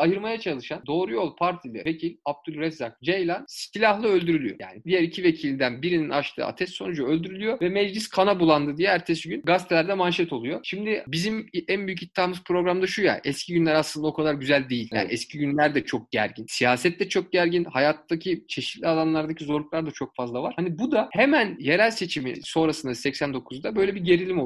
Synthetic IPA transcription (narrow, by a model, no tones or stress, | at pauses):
ajɯɾmajat͡ʃʰalˠɯʃand̪o̞ːɾujo̞lˠpʰaɾt̪ʰilʲɛ̰vecʰilʲab̚t̪ʰylʲˠɾɛzak̚d͡ʒejlʲˠanst̪ilʲahlˠɯølʲd̪yɾylʲyjo̰ja̰ːnid̪ijæɾicʰive̞cʰilʲid̪ænbiɾininaʃlʰˠɯ̰ːa̰t̪ʰɛsso̞nud͡ʒaølʲd̪yɾylʲyjovɛmɛd͡ʒlʲiskʰanabulˠand̪ɯd̪ijɛæɾt̪ʰe̞siɟynɡast̪ʰelʲæɾd̪ɛmanʃɛt̪ʰo̞lˠujo̞ʃimd̪ɪbizimænbyjycit̪ʰːaːmɯzpʰɾo̞ɡɾamd̪aʃuja̰ʔɛscʰiɟynlʲæɾasˠɯnd̪ao̞kʰad̪aɾɟyzælʲd̪e̞jilʲja̰nɛscʰiɟynlʲæɾd̪ɛt͡ʃʰo̞k̚ɟ̥æ̰ɾɟinsijaːsɛt̪ːɛt͡ʃʰo̞k̚ɟæɾɟinhajat̪ːacʰit͡ʃʰe̞ʃi̥t̪lʲialˠanlˠaɾd̪acʰizo̞ɾlˠuklˠaɾd̪at͡ʃʰo̞k̚fazlˠavaɾ̥hanibud̪ahemænjeɾælʲse̞t͡ʃʰimḭso̞nɾasɯnd̪asɛcsænd̪o̞kʰuzd̪abø̞jlʲɛbiɟe̞ɾilʲimo